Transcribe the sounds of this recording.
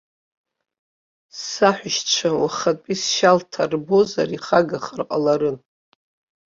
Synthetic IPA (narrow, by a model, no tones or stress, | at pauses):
saħʷʊʃt͡ʃʷʰawaχatʼisʃaltʰarbo̞za̰ɾiχaɡaχarqʼalaɾɨn